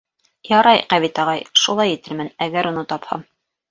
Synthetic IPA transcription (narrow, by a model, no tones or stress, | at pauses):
jɑɾɑjqæβit̪ɑʁɑjʃulˠɑjit̪ɘ̆lmɘnæɡæɾʔunɤt̪ɑphɑ̰m